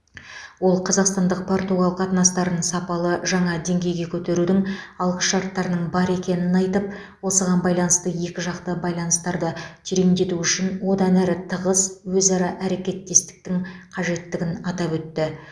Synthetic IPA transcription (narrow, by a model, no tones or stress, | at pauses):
wo̞lˠqʰɑzɑqst̪ɑnd̪əq̚pʰo̞rt̪uɡɑlˠəqɑt̪nɑst̪ɑɾənəɴsɑpɑlˠəʒɑɴɑd̪e̞ŋɡʲe̞jɡʲe̞kʲʰɵt̪e̞ɾud̪ɪŋɑlˠqəsʃɑɾt̪ːɑɾənəɴbɑɾe̞kʲe̞nɪnɑjt̪əp̚ | wo̞səʁɑnbɑjlˠɑnəst̪əje̞kʲɪʒɑqt̪əbɑjlˠɑnəst̪ɑɾd̪ət̪ʰiɾemd̪e̞t̪uʏʃɪnwo̞d̪ɑnæɾɪt̪ʰəʁəzwɵzɑɾɑʔæɾe̞kʲe̞t̪ːe̞st̪ɪ̥k̚t̪ɪŋqʰɑʒe̞t̪ːɪɡʲɪnɑt̪ɑpwɵt̪ːɪ